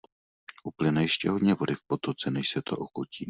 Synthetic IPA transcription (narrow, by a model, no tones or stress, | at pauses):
ʔuplɪnajɪʃcɛɦodɲɛvo̞dɪfpo̞t̪ot͡sɛnɛʃsɛt̪ʰoʔoxociː